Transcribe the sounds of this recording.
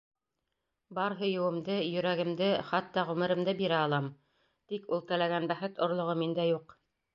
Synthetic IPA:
bɑɾɦɤ̆jɤ̆wɤ̆md̪ɤjɵ̆ɾæɡɘ̆md̪ɘχɑt̪ːɑʁʉmɘ̆ɾɘ̆md̪ɘbiɾæɑlˠɑm | t̪ikulˠt̪æ̆læɡænbæχɘt̪ŏɾlˠŏʁɤmind̪æjuq

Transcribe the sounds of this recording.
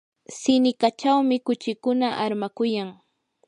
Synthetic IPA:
sɪnɪkat͡ʃawmɪkʊt͡ʃɪkʊnaʔaɾmakʊjaŋ

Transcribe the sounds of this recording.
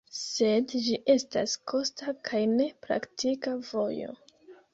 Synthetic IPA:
se̞dd͡ʒiʔe̞sta̰skʰo̞stakʰajne̞pɾa̰ktʰikavo̞jo̞̰

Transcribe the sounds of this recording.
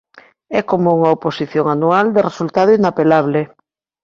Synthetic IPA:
ɛkomuuŋɐoposiθjoŋanuald̪eresult̪aðoinapelaβ̞le

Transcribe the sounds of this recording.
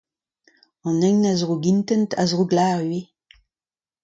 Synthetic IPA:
ɑ̃nɛŋnazʁuɡint̪ɛnta̰zʁuɡlaːʁɥe

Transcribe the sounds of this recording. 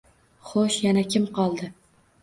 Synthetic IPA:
χoʃjanakʲʰɪmqʰɒlˠd̪ɪ

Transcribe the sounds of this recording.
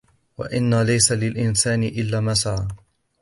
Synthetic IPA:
wa̰ʔɪnːalajsalɪlʔɪnsaːnɪʔɪlːaːmasaʕa

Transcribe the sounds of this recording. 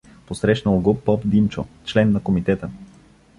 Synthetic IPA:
posɾɛʃnəlˠɡopɔpd̪imt͡ʃot͡ʃlɛnːɐkomit̪ɛt̪ə

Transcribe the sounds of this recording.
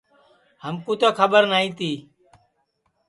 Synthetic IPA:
həmkũːt̪oːkʰəbəɾnaːĩːt̪iː

